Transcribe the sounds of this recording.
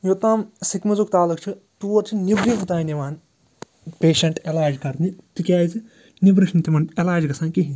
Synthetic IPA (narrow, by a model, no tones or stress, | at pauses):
jot̪aːmsikmɐzukt̪aːlɐk̚t͡ʃʰi | t̪uːʋɐɾt͡ʃʰinibɾiʃnt̪aːjniʋaːn | peːʃɐɳʈelaːd͡ʒkɐɾnit̪ukʲaːzi | nibɾiʃnt̪ʰiʋɐnelaːd͡ʒɡɐsãːkiɦin